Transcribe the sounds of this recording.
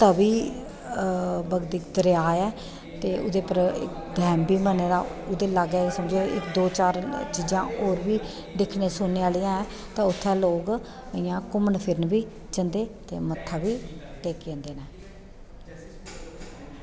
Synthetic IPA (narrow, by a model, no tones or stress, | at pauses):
t̪əbiː | bəɡd̪ikd̪əɾjaːɛː | t̪eːʊ̰d̪eːpəɾɪ̰k | d̪ʱɛːmbiːməneːɾaːʊd̪eːləɡɛːsəmd͡ʒeːɪ̰kd̪oːt͡ʃaːɾt͡ʃiːd͡ʒãːoːɾbiː | ɖ̪ɪkʰneːsʊneːaːlɪjãːɛː | t̪ãːʊt̪ʰːɛːloːɡ | ɪːãːkʊmənpʰɪɾnbiː | t͡ʃənd̪eːt̪ḛːmət̪ʰːaːbiːʈeːkẽnd̪eːnɛː